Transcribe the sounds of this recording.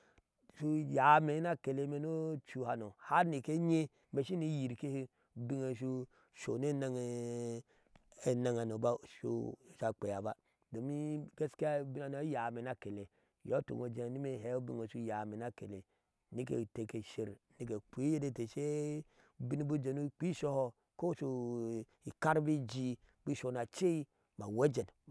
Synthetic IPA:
ʃu˦ja˨me˨˦na˦ke˨le˨˦me˨˦no˦t͡ʃu˨ha˨no˨ha˦ni˨ke˦ɲe˦ | me˨ʃi˦ni˦ji˨ɾke˦he˦ | u˨bi˦ŋe˨ʃu˧ | ʃo˨n˦e˦na˦ŋ˨ | e˨na˦ŋa˨no˨ba˦ʃo̰˨ʃa˨k͡pe˨ja˨ba˦ | do˨mi˦ɡe˦ska˦bi˦na˨no˨˦ja˨me˨na˦ke˨le˨ | jo˦to̰˨ŋo˨d͡ʒe˨ni˦me˦˨ɦe˨˦u˦bi˦ŋo˨ʃu˦ja˨me˨na˦ke˨le˨ | ni˦kḛ˨te˨ke˨ʃe˨ɾni˦k̬e˨k͡pʷi˦je˦de˦te˨ʃe˦ | bi˦n˦bu˦d͡ʒe˨nu˦k͡pi˦ʃo˦ho˦ | ko˦ʃo˨ | i˨ka˦ɾbi˦d͡ʒi˦ | bi˦ʃo˨na˨t͡ʃe˦i˦ | ma˨we˦d͡ʒe˨n

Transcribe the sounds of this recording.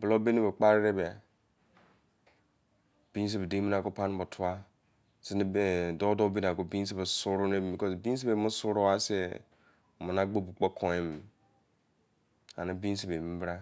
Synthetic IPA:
blo˦be˦ne˦be˨k͡pa˦ɾi˦ɾe˦ba˨ | b̥i˦n˦s̬e˦be˨de˦mi˦n˦a˨ko˦pa˦n˦bo˨tʰu˦a˦ | si˦n˦˨do˦do˦bi˦n˨a˨ko˦bi˦n˦s̬e˦ba˨su˦ɾu˦ne˦bbi˨kɔ˦sbi˦n˦s̬e˦be˨mu˦su˦ɾo˦a˦se˦˨ | mu˨na˦ɡ͡bo˦bu˨k͡po˦kʰo˨e˦m˨ | a˨na˦bi˦n˦se˨be˨mi˦bɾa˦

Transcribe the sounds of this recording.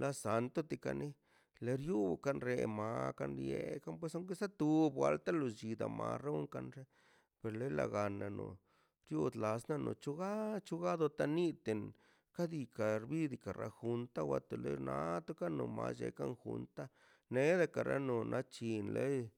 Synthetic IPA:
lʔa˦sa˧nt̪o˦t̪i˧ka˧ni˦ | le˨ɾju˦˧ka˧nɾe˧˨ma˧ka˧nɾje˧ka˦np̬we˧sa˦ŋke˦sa˦t̪u˧bwa˧lt̪a˦lo˨d͡ʒi˨d̪a˨ma̰˧ɾo˦ŋka˧nʐe˦ | pe˨ɾle˦la˧˨ɡa˨na˨no̰˨ | ɾju˦d̪la˨sna˦no̰˨t͡ʃu˦ɡa˦t͡ʃu˦ɡa˦d̪o˧t̪a˧ni˦t̪e˨n | ka˦d̪i˧ka˨ɾbi˦d̪i˨ka˨ɾʔa˧xu˨˧nt̪a˦wa˧t̪e˨le˦nʔa˧˦t̪o˦ka˦no˨ma̰˧sd͡ʒḛ˧ka˦nxṵ˧nt̪a˦ | ne˦d̪a˧ka˨ɾa˦no˨nʔa˦t͡ʃi˧nle˦j

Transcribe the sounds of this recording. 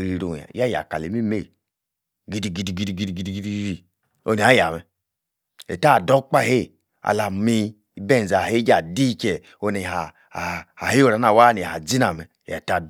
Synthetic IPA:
ɾi˨ɾo˨a̰˨ja˦˨ja̰˨ka˨le˨mi˦me˦˨ | ɡi˦di˨ɡi˦di˨ɡi˦di˨ɡi˦di˨ɡi˦di˨ɡi˦di˦i˦ɾi˨ | o˦ni˨a˦ja˨mɛ˨ | ḛ˨ta˦˨dɔ˦k͡pa˦˨he˦˨ | a̰˨la˨mi˦ | be˦˨n˨za˨he˦d͡ʒa˨di˦t͡ʃɛ˨ | o˧ne˨a˨ | ha˨he˦o˦˨ɾa˨n˦a˦˨wa˦˨ni˨a˨d͡zi˦na˨mɛ˨a̰˨ta˨

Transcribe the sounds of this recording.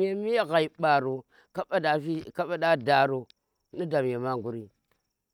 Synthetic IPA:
je˨mi˦a˦ɣa˨i˨ɓa˨ɾo˨ | ka˦a˦da˨i˦ka˦ɓa˦da˦da˨ɾo˨ | ni˦da˨m˨e˨ma˦ŋ˨ɡu˦ɾi˦

